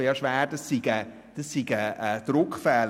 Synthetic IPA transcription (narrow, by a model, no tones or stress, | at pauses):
jɑʃʋɛːd̥əsːiɡ̥ə | d̥əsːiɡəʔəd̥̪ɾʊkfɛːl